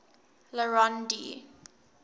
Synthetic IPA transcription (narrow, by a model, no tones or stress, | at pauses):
ləɹandḭ